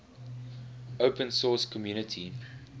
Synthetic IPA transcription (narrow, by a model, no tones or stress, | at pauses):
oʊpə̃nsɔskʰɔmjuːnətʰi